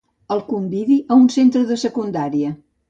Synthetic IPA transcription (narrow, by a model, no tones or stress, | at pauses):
əlˠkumbiðiʔəunsent̪ɾəðəsəkund̪aɾiə